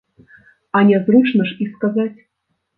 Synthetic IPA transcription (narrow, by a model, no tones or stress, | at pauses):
anʲɛzrut͡ʂnəʂiskazat͡sʲ